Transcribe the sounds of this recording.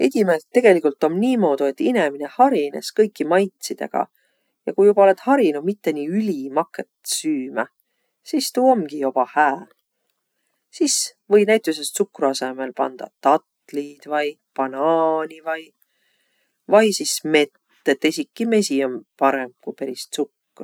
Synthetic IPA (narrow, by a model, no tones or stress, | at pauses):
ed̪ʲimelt̪ːe̞ɡ̥e̞likult̪ːˑo̞mniːmo̞ːd̪ue̞t̪ːine̞mine̞hɑɾine̞̰skɤjkːˑimɑjt̪sid̪̥e̞̰ɡ̥ɑ̰ | jɑkujub̥ɑole̞d̪̥hɑɾinumit̪ːe̞niːylʲimɑkːet̪syːmæ | sist̪uːomɡ̥ijo̞b̥ɑhæː | sisvɤjnæjt̪ˑus̬est̪sukːruɑse̞me̞lpɑ̰nd̪̥ɑ̰t̪ɑt̪ˑlid̪̥vɑj | pɑnɑːnivɑj | vɑjsisme̞t̪ːet̪ːesʲikːime̞sio̞mpɑɾe̞m̥̚kujpeɾist̪sukː